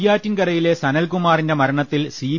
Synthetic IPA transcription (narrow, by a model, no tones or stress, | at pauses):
jaːtːinkɐrɐjile̞sɐnɐlkumaːrinde̞mɐɾɐɳɐt̪ːilsiː